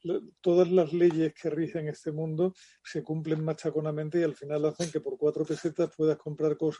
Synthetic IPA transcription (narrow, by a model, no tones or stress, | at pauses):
t̪o̞ðazlazle̞ʝe̞hkʰeariheŋe̞st̪e̞mũnd̪o | se̞kumple̞ŋmat͡ʃako̞namẽnt̪eialfinalaθeŋke̞po̞ɾkwat̪ɾo̞pe̞se̞t̪ahpwe̞ðahko̞mpɾaɾko̞s